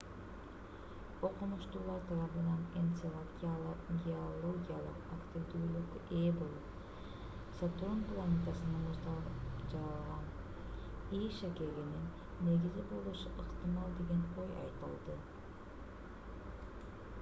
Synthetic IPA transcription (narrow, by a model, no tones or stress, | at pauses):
o̞qunuʃt̪uːlˠɑɾt̪ʰɑɾɑβɯnɑnent̪sˠ | ɡʲeolˠoɡʲijalˠɯ̰qakt̪ʲivd̪yːlˠukebolˠup | sat̪onplˠanʲet̪asɯnɑnɯt̪d͡ʒɑɾɑlˠʁɑn | ijʃakʲe̞ɡininː | e̞ɡʲizibo̞lˠuʃuʔɯqt̪ɨmɑlˠd̪e̞ɡʲe̞no̞jɑ̰jt̪ɯ̰lˠd̪ɯ